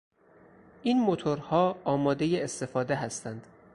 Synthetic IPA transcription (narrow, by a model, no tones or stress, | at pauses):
ʔinmot̪ʰoɾhɒːɒːmɒːd̪ejeest̪e̞fɒːd̪e̞ɦæst̪ænd̪̥